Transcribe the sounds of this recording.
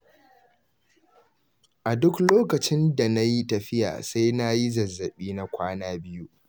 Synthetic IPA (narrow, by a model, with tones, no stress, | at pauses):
ʔa˨dʊ˦kloː˦kɐ˨t͡ʃɪ˦nda˨na˦ji˦tɐ˨ɸɪ˦ja̰ː˨sa˦jna˦ji˦zɐ˨zːɐ˨ɓiː˦na˨kʷʰaː˦naː˦bɪ˦ju˦